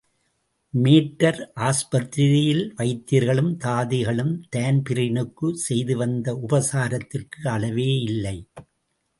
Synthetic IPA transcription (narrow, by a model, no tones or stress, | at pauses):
meːʈːɐɾʔaːspɐt̪ɾɪɾɪjɪlʋɐɪt̪ːiɾɣɐɭɯmt̪aːðɪɣɐɭɯmt̪eːnpɪɾɪnɯkːɯsɛjðɯʋɐnd̪ɐʔʊbɐsaːɾɐt̪ːɪrkɯɐlɐʋeːɪlːɐɪ